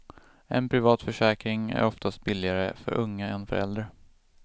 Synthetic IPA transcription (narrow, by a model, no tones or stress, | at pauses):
ɛnpʰɾɪvɑːt̪fœʂɛːkɾɪŋæ̰ɾɔft̪ʰast̪̚bɪlːɪɡaɾəfœ̰ɾʔɵŋːaɛnfœɾɛ̰ld̪ɾa